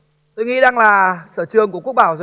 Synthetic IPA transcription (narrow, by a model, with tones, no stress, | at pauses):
t̪o˧jŋḭ˧˥ɗaː˧ŋlaː˨˩səː˧˩t͡ɕɨ˨˩əŋku˧˩əku˦˥k̚ɓaː˧˩wzə˨˧